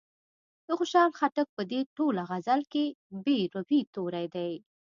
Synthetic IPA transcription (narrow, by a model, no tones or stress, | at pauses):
d̪̥əxʊʃɑlxaʈək̚pəd̪eʈolaɣazalkebeɾʊpit̪oɾajd̪aj